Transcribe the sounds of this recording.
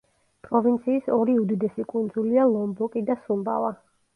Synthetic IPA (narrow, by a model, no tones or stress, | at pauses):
pʼɾɔvint̪sʰiːsɔɾiud̪id̪ɛsikʼund̪zulialˠɔmbɔkʼid̪asumba̰va